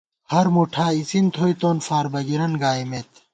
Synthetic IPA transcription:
hɐɾmuʈʰaːisint̪ʰoːjt̪oːnfaːɾbɐɡiɾɐnɡaːimet̪

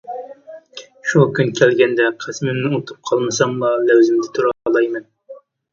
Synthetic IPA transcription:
ʃukʲynkʲʰælɡʲɛnd̪ɛqʰɨsmɪnnɪot̪ʰup̚qʰɑlˠmɨsɑmlˠɑlæwzɪmd̪ɪt̪ʰuɾɑlˠɑjmɛn

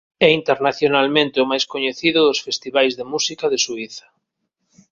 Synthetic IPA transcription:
ɛint̪eɾnaθjonalmẽnt̪ɪʊmajskoɲeθiðʊðʊsfest̪iβajzðemusikaðesuiθɐ̥

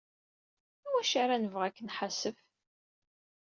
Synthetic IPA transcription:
æwæʃaɾanəvʁækːənħasəf

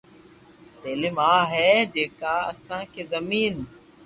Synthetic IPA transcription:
t̪eːlɪmaːɦɛːd͡ʒeːkaːə̰sãːkʰeːzəmiːn

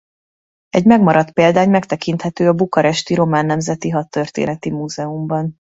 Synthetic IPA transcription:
ɛɟmɛɡmɒɾɒt̪peːld̪aːɲmɛkt̪ɛkint̪hɛt̪øːɒbukɒɾɛʃt̪iɾo̞maːnːɛmzɛt̪iɦɒt̪ːørt̪ḛːnɛt̪imuːzɛumbɒn

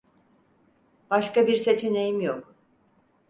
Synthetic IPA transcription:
b̥aʃkabiɾse̞t͡ʃʰine̞jimjok

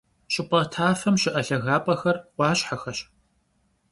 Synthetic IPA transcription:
ɕɪpʼɐtʰaːfɐmɕɪʔɐɬɐɣaːpʼɐxɐrqʷɑːɕħaxɐɕ

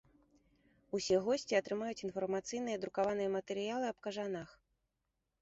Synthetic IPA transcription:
usʲɛɣɔsʲt͡sʲiɐt̪ɾɨmajut͡sʲin̪fɐrmat̪sɨjn̪ɨjɐd̪ɾukavanɨjɐmɐt̪ɛɾɨjalˠɨɐpkɐʐanax

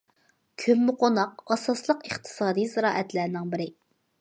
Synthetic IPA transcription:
kʲʰømːʊqonɑqɑsɑslˠəqəχt̪ʰɨ̥sɑːd̪ijzɨɾɑːʔɛt̪læɾnɪŋbɪɾɪ

